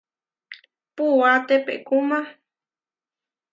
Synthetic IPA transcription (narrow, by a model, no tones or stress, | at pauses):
puat̪epḛkuma